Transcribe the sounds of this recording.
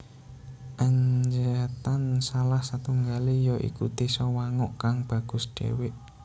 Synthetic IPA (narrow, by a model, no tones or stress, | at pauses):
ʔaɲd͡ʒət̪ansalahsat̪uŋɡalijɔʔḭkṵt̪isɔwaŋɔʔkaŋb̥ä̤ɡ̥ʊ̤sɖ̥ḛwɪʔ